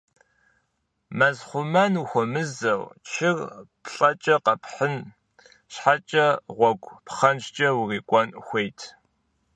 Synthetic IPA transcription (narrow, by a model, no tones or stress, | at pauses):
mɐzχʷʊmɐnuxʷɔmɨzɐwt͡ʃʰɪrpʰɬʼɐt͡ʃʼɐqɐpħən | ɕħat͡ʃʼɐʁʷɔɡʷʼpχɐnʃt͡ʃʼɐwriːkʷʼɔnxʷejtʰ